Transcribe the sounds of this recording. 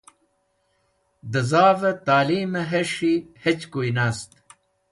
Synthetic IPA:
d̪ɐzaːvɐt̪aːliːmɐɦeʂihet͡ɕkuinaːst̪

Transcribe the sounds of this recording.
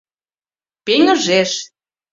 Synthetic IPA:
peŋə̆ʒeʃ

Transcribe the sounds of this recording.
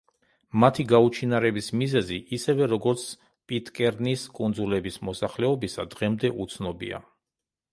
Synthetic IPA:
mat̪ʰiɡaut͡ʃʰinaɾɛbismizɛziʔisɛvɛɾɔɡɔɾt̪sʰ | pʼit̪ʼkʼɛɾniskʼund̪zulɛbismɔsaχlɛɔbisad̪ʁɛmd̪ɛʔut̪sʰnɔbḭa̰

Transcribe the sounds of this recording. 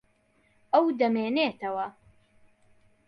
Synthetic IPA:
ɐwd̪ɐmeːneːt̪ɐwɐ

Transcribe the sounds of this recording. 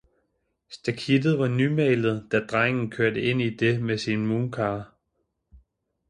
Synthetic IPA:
sd̥ækʰid̥ð̩ˠʋɑ̈nymɛɪlð̞̩ˠd̥æd̥ʁaŋ̰n̩kʰøɐdəe̝n̰id̥e̝mesinmuːnkʰɑ̈ː

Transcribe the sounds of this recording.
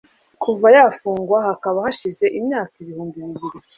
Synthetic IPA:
kʰuvajafuːŋɡwahakaβahaʃize̞ʔimɲaːkiβihuːmbimɡiɾi

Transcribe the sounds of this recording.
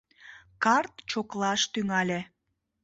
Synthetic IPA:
kɑrt̪t͡ɕoklɑʃt̪yŋɑlʲe

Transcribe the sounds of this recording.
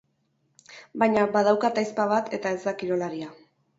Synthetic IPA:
bajɲabað̞awkat̪ajspaβ̞at̪ʰe̞t̪ae̞zd̪akiɾo̞laɾia

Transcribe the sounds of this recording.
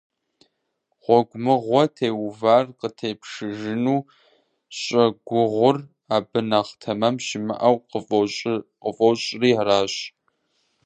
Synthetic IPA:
ʁʷɔɡʷʊmɨʁʷɔtʰeːwvaːrqətʰeːpʂɨʒɨnuː | ɕʼɐɡʷʊʁʷʊr | aːbɨnaʁtʰɐmɐmʃɪmɨ̰ʔɐwqəɕʼqəfʼowɕʼriːaɾaːɕ

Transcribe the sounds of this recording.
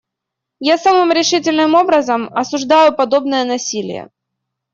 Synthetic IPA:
jasamɨmɾʲɪʂɨtʲɪlʲnɨmo̞bɾəzəmɐsʊʐd̪ajʊpɐd̪o̞bnəjənɐsʲilʲɪ̰jə̰

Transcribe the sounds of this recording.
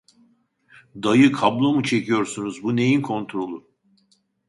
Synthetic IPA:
d̪ajɯkʰablˠo̞mut͡ʃʰe̞cʰijo̞ɾsunuzbune̞jinkʰo̞nt̪ɾo̞lˠu

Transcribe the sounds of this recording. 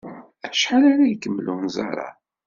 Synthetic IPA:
æʃħalaɾajkːəmːlunzɑ̰ɾˤɑ̰

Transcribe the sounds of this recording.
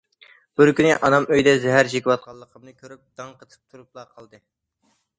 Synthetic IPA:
b̥uɾkʲynɪʔɑnɑmøjd̪ɛzɛɦæɾt͡ʃʰekʲiwɑt̪̚qʰɑlˠːəqʰəmnɨkʲʰøɾyp̚d̪ɑŋqʰət̪ʰə̥p̚t̪ʰuɾup̚lˠɑqʰəlˠd̪ɨ

